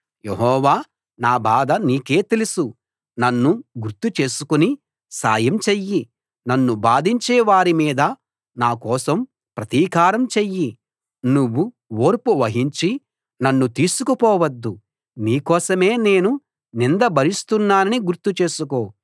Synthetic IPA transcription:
jeɦɔːʋaː | naːbaːd̪ɐniːke̞ːt̪elusu | nɐnːuɡuɾt̪ut͡ʃe̞ːsukuni | sa̰ːjɐmt͡ʃejːi | nɐnːubaːd̪ʱiɲt͡ʃɛːʋaːɾimiːd̪ɐ | naːkɔːsɐm | pɾɐt̪iːkaːɾɐmt͡ʃejːi | nuʋːu | oːɾpuʋɐɦiɲt͡ʃi | nɐnːut̪iːsukupɔːʋɐd̪ːu | niːkɔːsɐme̞ːne̞ːnu | nind̪ɐbʱɐɾist̪unːaːnɐniɡuɾt̪ut͡ʃe̞ːsuko̞ː

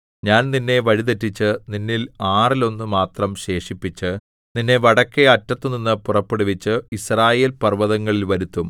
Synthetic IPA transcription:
ɲaːnninːe̞ʋɐɻiðetːit͡ɕːɨninːilaːrilo̞nːumaːt̪rɐmɕe̞ːʂipːit͡ɕːɨ | ninːe̞ʋɐɽɐkːeɐtːɐt̪ːɨninːɨpurɐpːeɽuʋit͡ɕːɨisraːje̞ːlpɐrʋɐðɐŋːɐɭilʋɐɾut̪ːum

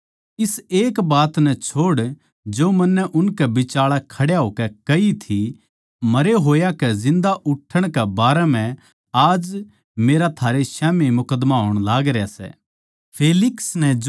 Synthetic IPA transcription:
ɪseːkbaːt̪nɛt͡ʃʰoːɽ | d͡ʒoːmɐnːɛʔʊnkɛbɪt͡ʃaːɭakʰɐɽjaɦoːkɛkɐit̪ʰi | mɐɾeɦoːjakɛzɪ̃nd̪aʔʊʈʰːəɽ̃kɛbaːɾɛmɛ̃ | aːd͡ʒ | meːɾat̪ʰaːɾeʃɛːmemʊkəd̪maɦoːɽ̃laːɡɾjasɛ̰ː | pʰeːlɪksnɛd͡ʒ

